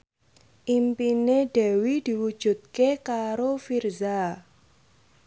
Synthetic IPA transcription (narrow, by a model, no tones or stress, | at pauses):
ʔimpineɖ̥ɛ̤wid̪̥i̤wud̥ʒ̥ṳd̪̚kekaɾofirza